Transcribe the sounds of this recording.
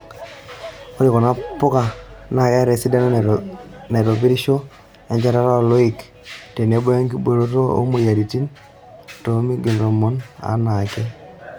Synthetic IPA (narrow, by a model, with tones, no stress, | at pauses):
o˦ɾi˨kɔ˨na˦po˦ka˨na˨ka˦ɾe˨si˦da˦n | ne˨ɾo˨bi˦ɾi˦ʃo˦ | ɛ˨ɲd͡ʒa˦ɾa˦ɾa˦o˨lo˦i˨k | te˨n˨e˦bo˦ja˦ŋki˦bo˨ɾo˦to˦o̰˦mo˨ja˨ɾi˨ti˦n | to˨˦mi˦ɡi˨lɾo˨mo˦na̰˨˦na˨kɛ˦